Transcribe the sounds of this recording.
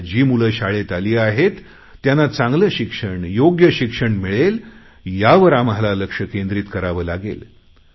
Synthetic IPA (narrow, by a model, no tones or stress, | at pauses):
d͡ʑiːmuləɕaɭet̪aliːaɦet̪ː | janat͡sãŋɡləɕikʂəɳjoɡjəɕikʂəɳmiɭel | jaʋəɾamɦalaləkʂəkend̪ɾiːt̪kəɾaʋəːlaɡḛl